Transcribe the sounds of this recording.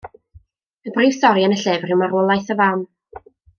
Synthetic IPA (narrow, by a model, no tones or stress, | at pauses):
əbriːvsɔɾjanəɬɛːvr̥ɪwmaɾoːlˠajθəvan